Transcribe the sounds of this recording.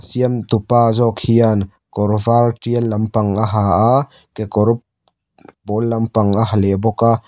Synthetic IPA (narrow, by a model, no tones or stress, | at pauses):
siəmt̪upaːzɔkhian | kɔɾvartialːɐmpɐŋʔaɦaa | kekɔɾp̚ | bɔlːɐmpɐŋaɦalɛbɔka